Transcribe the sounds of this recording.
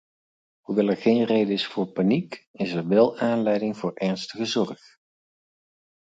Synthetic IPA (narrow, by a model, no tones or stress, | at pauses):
ɦuʋɛlˠɛɹχejnrejdəɪsfʊːɹpanikɪsɛɹʋɛlˠaːnlɛjdɪŋvʊːɹʔɛɹnstəχəzɔɹχ